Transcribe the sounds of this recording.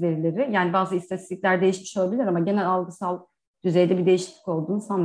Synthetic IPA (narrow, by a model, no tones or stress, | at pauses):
ve̞ɾilʲe̞ɾijaːnibaːzɯist̪ʰat̪ʰist̪ʰiclʲæɾd̪e̞jiʃmi̥ʃolˠabilʲiɾamaɟe̞nælʲalˠɡɯsalˠ | d̪̥yze̞jd̪ɛbid̪e̞jiʃi̥tc̪lʲi̥co̞lˠd̪uːnisan